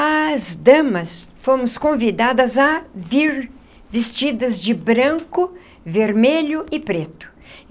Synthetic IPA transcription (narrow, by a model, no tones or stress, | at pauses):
ɐzd̪ɐ̃mɐsfomʊskõvid̪ad̪ɐzɐviɾ | vɪst͡ʃid̪ɐzd͡ʒɪbɾɐ̃ŋkʊ | veɾmeʎʊʔɪpɾet̪ʊ̥